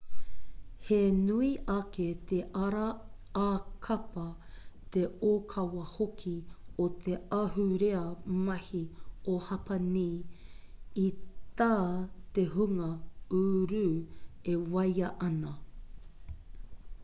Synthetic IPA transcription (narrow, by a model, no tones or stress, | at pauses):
henuiʔɐket̪ʰeʔɐɾɐ | aːkʰɐpɐ | t̪eoːkʰɐwɐhokʰiot̪ʰeɐɦuɾeɐmɐhiohɐpɐniː | it̪aːt̪eɦuŋɐuːɾʉːewɐjɐʔɐnɐ